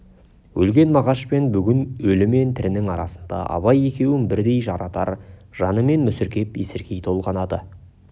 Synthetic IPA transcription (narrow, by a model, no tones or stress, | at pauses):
wʔɵlɡʲe̞nmɑʁɑʃpe̞nbʏɡʲɪnɵlɪme̞nt̪ʰɪɾɪnɪŋɑɾɑ̰sənd̪ɑ̰ʔɑ̰βɑje̞kʲe̞wɪnbɪɾd̪e̞jʒɑɾɑt̪ɑɾʒ̥ɑnəme̞nmʏsɪɾkʲe̞pjesɪɾkʲʰe̞jt̪ʰo̞lˠʁɑnɑd̪ə